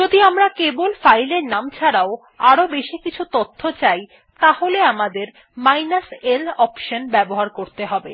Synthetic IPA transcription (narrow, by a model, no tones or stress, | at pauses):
d͡ʑod̪iamɾakebolfajleɾnamt͡ɕʰaɽao | aɾobeʃikit͡ɕʰut̪ot̪ʰːot͡ɕaj | t̪aholeamad̪eɾ | majnaselɔpʃonbɛboɦaɾkoɾt̪eɦɔbe